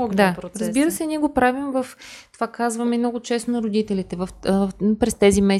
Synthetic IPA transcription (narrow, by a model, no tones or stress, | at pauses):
dd̪aɾɾəzbiɾəsɛniɛɡopɾavimvəft̪ovakazvɐmɛmnɔɡʊt͡ʃɛst̪onɐɾod̪it̪ɛlit̪ɛvɐfpɾɛst̪ɛzimɛ